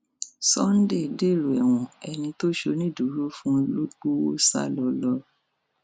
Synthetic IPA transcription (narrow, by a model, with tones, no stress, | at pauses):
sɔ˦n̩˦de˦˨de˦˨lo˨ɛ˨w̃ɔ̃˨ɛ˧nĩ˧to˦ʃo˧˦nĩ˦˨du˨˦ɾu˦fũ˦˧lo˦ɡ͡bo˦wo˦sa̰˦lɔ˧lɔ˧˦